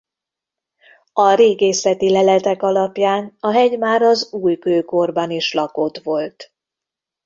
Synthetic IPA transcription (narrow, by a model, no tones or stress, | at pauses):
ɒɾeːɡeːsɛt̪ilɛlɛt̪ɛkɒlɒpjaːnɒɦɛɟmaːɾɒzuːjkøːko̞rbɒniʃlɒko̞t̪ʋo̞lt̪